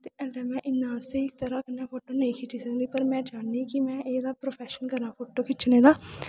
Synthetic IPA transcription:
t̪eːʔɛ̃ɖɛːmɛ̃ːʔɪnːãːseːɪk̚t̪əɾaːkənːãːpʰoːʈoːnəĩːkʰɪʈiːsəɡnd̪iːpəɾmɛ̃ːd͡ʒaːniːkɪmɛ̃ːʔeːd̪aːpɾoːpʰɛːʃənkəɾnãːpʰoːʈoːkʰɪt͡ʃnẽːd̪aː

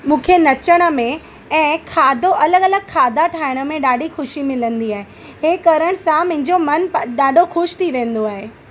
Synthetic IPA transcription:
mũːkʰenɐt͡ɕəɽ̃ə̆mẽ | ɛ̃ːkʰaːd̪ʱoʔɐləɡɐləɡ̚kʰaːd̪aʈʰaːɪɽ̃ə̆mẽɗaːɖixʊʃimɪlə̃nd̪iaːɦe | ɦeːkɐɾəɽ̃sãmɐ̃ɦɪ̃ɲd͡ʑomɐnɗaːɖʱoxʊʃt̪ʰiʋẽːnd̪oaːɦeː

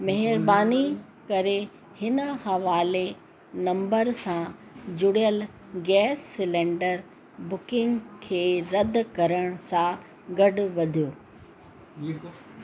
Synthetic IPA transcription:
mɐɦɪɾbaːni | kɐɾe | hɪnhɐʋaːle | nɐ̃mbəɾsã | d͡ʑʊɽijəl | ɡɛːsːɪlẽːɳɖəɾ | bʊkɪ̃ŋɡkʰeːɾɐd̪ʱkɐɾəɽ̃sã | ɡɐɖʊʋɐd̪ʱijoː

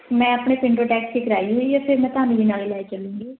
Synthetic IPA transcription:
mɛ̃ːəpɳeːpɪɳɖoːʈɛːkskiːkɾaːiːɦoːiːɔːɾpʰɪɾmɛ̃ːt̪ʊɦaːnĩʋiːnaːliːlɛːet͡ʃəlũːŋɡiː

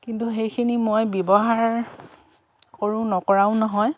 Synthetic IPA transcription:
kintuɦejkʰinimojbjɔbɔɦaɹ | koɹʊ̃nɔkɔɹaʊ̃nɔɦɔj

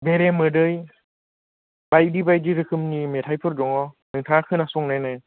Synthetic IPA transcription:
beɾemɯdɯj | bajdibajdiɾɯkʰɯmnimetʰajpʰɯɾdɔŋɔ | nɯŋtʰakʰɯnasɔŋnajnaj

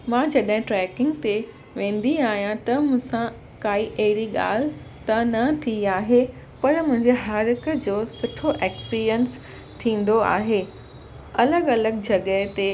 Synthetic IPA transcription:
mãːd͡ʑɐɗɦɪ̃ʈɾɛːkɪ̃ŋɡt̪e | ʋẽːn̆d̪iaːɦijãt̪ɐmʊ̃ɦsã | kaːiʔɐɦɪɾiɠa̰ːl̤ɪ | t̪ɐnɐt̪ʰiaːɦe | pɐɾmʊ̃ɦɪ̃ɲd͡ʑeɦɐɾkəd͡ʑoːsʊʈʰoʔeːkspiːɾijəns | t̪ʰĩːn̆d̪oa̰ːɦeː | ɐləɡɐləɡd͡ʑɐɠət̪e

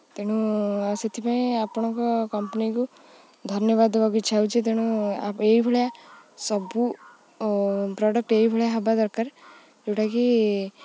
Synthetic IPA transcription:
t̪eɽ̃uaset̪ʰipaẽapɔɽ̃ɔ̃kɔkɔmpniku | d̪ʱɔnjɔβad̪bɔɡit͡ʃʰawt͡ʃʰit̪̬eɽ̃ũa̰eibʱɔɭjasɔbu | pɾɔɖək̚ʈeibʱɔɭjaɦabad̪ɔɾkaɾ | ewʈaki

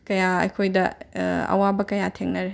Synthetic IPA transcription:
kɐjaɐ̰jkʰojdɐɐ̰wabɐkɐjatʰeŋnɐɾe

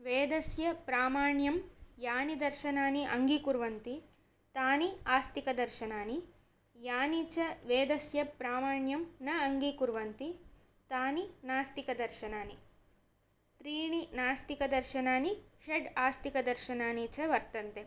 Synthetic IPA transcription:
ʋeːd̪ɐsjɐpɾaːmaːɳjɐmjaːnid̪ɐɾʃɐnaːniʔɐŋɡikuɾʋɐnt̪i | t̪aːniaːst̪ikɐd̪ɐɾʃɐnaːni | jaːnit͡ʃɐʋeːd̪ɐsjɐpɾaːmaːɳjɐmnɐɐŋɡikuɾʋɐnt̪i | t̪aːninaːst̪ikɐd̪ɐɾʃɐnaːni | t̪ɾiːɳinaːst̪ikɐd̪ɐɾʃɐnaːniʃeɖaːst̪ikɐd̪ɐɾʃɐnaːniːt͡ʃɐʋɐɾt̪ɐnt̪e

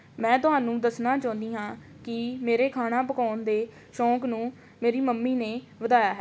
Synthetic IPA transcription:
mɛ̃ːt̪ʊɦaːnũːd̪əsnaːt͡ʃãːnd̪iːɦãː | kɪmeːɾeːkʰaːɽ̃ãːpəkaːnd̪eː | ʃɔ̃ːknũː | meːɾiːməmːiːneː | ʋəd̪aːjaːɦɛː

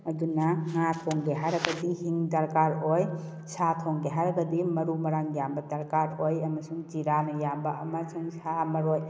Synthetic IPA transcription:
ɐdunaŋat̪ʰɔŋɡeɦaɾɐɡɐdihiŋdɐɾkaɾoj | sʰatʰɔŋɡeɦaɾɐɡɐdimɐɾumɐɾaŋejambɐdɐɾkaɾojɐmɐsuŋt͡ʃiɾanɐjambɐɐmasuŋsamɐɾoj

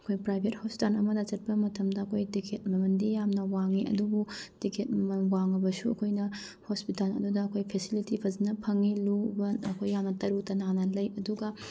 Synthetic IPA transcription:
ɐkʰojpɾajbʱet̚hosi̥tanɐmɐdɐt͡ʃɐt̚pɐmɐtʰɐmdɐːkʰojtikʰet̚mɐmɐndijamnɐwaŋiɐ̰dubutikʰet̚mɐmɐnwaŋɐbɐsuɐ̰kʰojnɐ | hospitalɐ̰dudɐːkʰojpʰesilitipʰɐzinɐpʰɐŋilubɐnɐ̰kʰojːamnɐtɐɾuk̚tɐnanɐlɐjɐduɡɐ

